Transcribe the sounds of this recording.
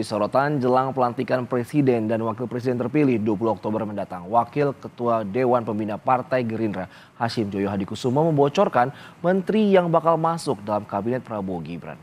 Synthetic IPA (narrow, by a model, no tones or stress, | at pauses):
isɔɾot̪and͡ʒəlaŋpəlant̪ikanpɾɛsidɛndanwakɪlpɾɛs̬idɛnt̪ərpilɪhduap̬uluɔk̚t̪obərməndat̪aŋwakɪlkət̪uadewanpəmbinapart̪ajɡəɾindɾa | haʃɪmd͡ʒojoɦadikusumaməmbɔt͡ʃɔrkanmənt̪ɾijaŋbakalmasʊk̚dalamkabinɛt̪̚pəɾaboɡibɾa̰n